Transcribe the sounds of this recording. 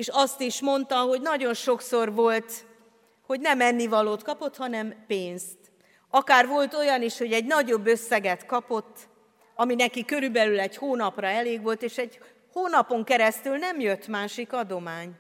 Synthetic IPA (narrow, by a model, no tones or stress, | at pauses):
eːʃɒst̪iʃmo̞nt̪ɒɦo̞ɟnɒɟo̞nʃo̞ksorvo̞lt̪ | ho̞ɟnɛmɛnːivɒloːt̪kɒpo̞t̪hɒnɛmpeːnst̪ | ɒkaːrʋo̞lt̪o̞jɒniʃho̞ɟɛɟnɒɟo̞bːø̞sːɛɡɛt̪kɒpo̞t̪ː | ɒminɛkikøɾybɛlylɛɟhoːnɒprɒɛleːɡʋo̞lt̪eːʃɛɟ | hoːnɒpo̞ŋkɛɾɛst̪ylnɛmjø̞t̪ːmaːʃikɒd̪o̞maːɲ